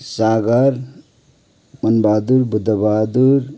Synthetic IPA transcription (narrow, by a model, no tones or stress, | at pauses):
saɡʌɾ | mʌnbaːd̪uɾbud̪ʱəbad̪uɾ